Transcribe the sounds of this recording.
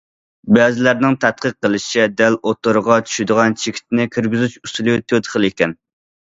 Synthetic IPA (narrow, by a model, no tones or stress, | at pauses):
bɛːzɪlæɾnɪŋt̪ʰɛt̪̚qəqːəlˠɨʃid̪ælot̪ːoɾəʁɑt͡ʃʰy̥ʃid̪ɨʁɑnt͡ʃʰekʲʰi̥t̪ɪnɪkʲʰiɾɡʲyzyt͡ʃust̪ɨlˠut̪ʰøt̪ɨχəlˠekʲɛn